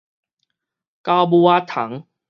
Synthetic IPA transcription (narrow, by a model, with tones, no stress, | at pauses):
ka˧wbu˧a˦t̪ʰa̰˨˦ŋ